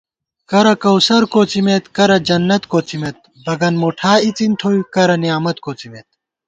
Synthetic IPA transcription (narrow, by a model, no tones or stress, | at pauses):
kɐɾɐkɐwsɐɾkoːt͡simet̪kɐɾɐd͡ʑɐnːɐt̪koːt͡simet̪̚ | bɐɡɐnmoʈʰaːit͡sint̪ʰoːjkɐɾɐnijaːmɐt̪koːt͡simet̪̚